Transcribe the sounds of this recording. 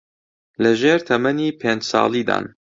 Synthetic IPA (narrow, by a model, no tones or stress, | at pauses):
lɐʒeːɾt̪ʰɐmɐniːpʰeːnd͡ʒsɑ̰ːlˠiːd̪a̰ːn